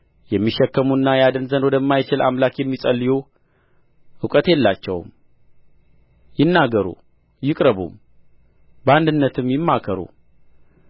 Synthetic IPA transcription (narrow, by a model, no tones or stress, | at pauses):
jɛmːiʃːɛkːəmunːajad̪ənzənwɔd̪əmːajt͡ʃɪlʔa̰mlakjɛmːisʼəlːiju | ɨkʼət̪jɛlːat͡ʃːɛ̰wm | jɪnːaɡəɾṵ | jɪkʼɾəβṵm | bəand̪ɨnːət̪ʰɨmjɪmːakʰəɾṵ